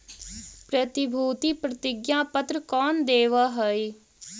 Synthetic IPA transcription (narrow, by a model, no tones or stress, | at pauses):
pɾət̪ɪbʱuːt̪iːpɾət̪ɪɡjãːpət̪ɾəkɔːnd̪eːʋaːɦoiː